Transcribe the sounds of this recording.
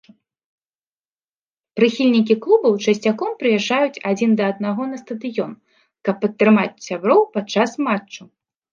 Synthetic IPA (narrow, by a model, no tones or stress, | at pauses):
pɾɨxʲilʲnʲikʲiklˠubɐwt͡ʂɐsʲt͡sʲakɔmpɾɨjɛʐd͡ʐajut͡sʲad͡zʲind̪ɐːd̪naɣɔnɐst̪ɐd̪ɨjɔn | kɐpːɐt̪ːɾɨmat͡sʲsʲabɾɔwpat͡ʂːasmat͡ʂːu